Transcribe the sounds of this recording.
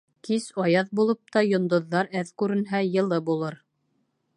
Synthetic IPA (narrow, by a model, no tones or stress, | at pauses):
kisɑjɑðbulˠɤp̚t̪ɑjŏnd̪ŏðːɑɾæðkʉɾɘ̆nɦæjɤ̆lˠɤbulˠɤɾ